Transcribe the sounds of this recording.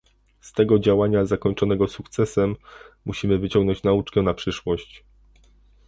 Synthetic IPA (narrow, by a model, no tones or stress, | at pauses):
st̪ɛɡɔd͡ʑawaɲazakɔɲt͡ʂɔnɛɡɔsukt̪sɛsɛmːuɕimɘvɘt͡ɕɔŋɡnɔɲt͡ɕnaut͡ʂkɛnapʂɘʂwɔɕt͡ɕ